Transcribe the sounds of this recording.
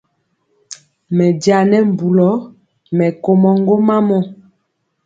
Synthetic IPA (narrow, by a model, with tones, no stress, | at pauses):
mɛ˨dja˨nɛ˦m˨bu˨lɔ˨˦ | mɛ˨ko˨mɔ˨ŋɡo˦ma˦mɔ˦